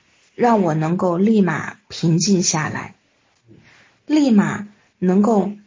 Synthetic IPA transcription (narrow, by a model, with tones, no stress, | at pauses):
ɻɑ˥˩ŋwɔ˨˩nɤ˧˥ŋko˥˧ʊli˥˩ma̰˨˩pʰi˧˥ŋt͡ɕi˥˧nɕja˥˩la̰˧˥ɪ | li˥˩ma̰˨˩ | nɤ˧˥ŋko˥˩ʊ